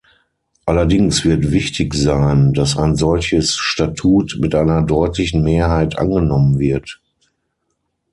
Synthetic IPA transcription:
ʔalɐdɪŋsv̥ɪɐtv̥ɪçtʰɪçz̥aɪnd̥asa̰ɪnzɔlçəsʃtatʰuːtmɪtʔaɪnɐdɔʏtʰlɪçn̩meːɐɦaɪtʔa̰nɡənɔmənvɪɐt

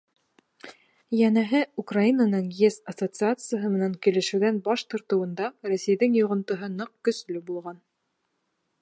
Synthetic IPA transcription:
jænæɦɘukrainɑnɤɴjesɐsot̪sɨat̪sɨjəɦɤmɘ̆næŋkilɘ̆ʃɘ̆wðænbɑʃt̪ŏɾt̪ɤ̆wɤ̆nd̪ɑrosɘ̆jðɘŋjŏʁŏnt̪ŏɦɤnɤq̚kɵ̆slɵbulˠʁɑn

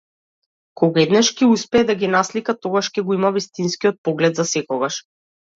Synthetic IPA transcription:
kɔɡaɛd̪nɛʃkiuspɛːd̪aɡʲinaslikat̪ɔɡaʃkʲɛɡɔimavist̪inskiɔt̪̚pɔɡlɛd̪zasɛkɔɡaʃ

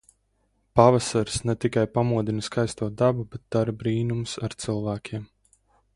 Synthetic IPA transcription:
pavasaɾsnɛt̪ikajpamuɔd̪inɐskajst̪uɔd̪abubet̪̚d̪̥aɾbɾiːnumsaɾt̪sɨlˠvæːkʲʰiɛm

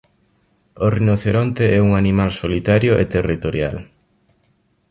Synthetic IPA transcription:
orinoθeɾɔnt̪eɛuŋanimalsolit̪aɾjoʔḛt̪erit̪oɾja̰l

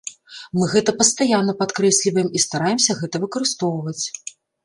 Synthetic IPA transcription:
mɨɣɛt̪ɐpɐst̪ajanːɐpat̪kɾɛsʲlʲivɐjɛmist̪aɾajɛmsʲɐɣɛt̪ɐvɨkɐɾɨst̪ɔwvɐt͡sʲ

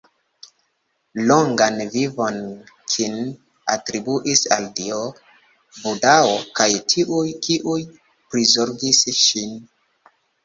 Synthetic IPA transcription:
loŋɡanvivo̞n | kʰin | a̰tɾibuʔisa̰ldio | budaokajtʰiʔujkiʔuj | pɾizoɾɡisʃin

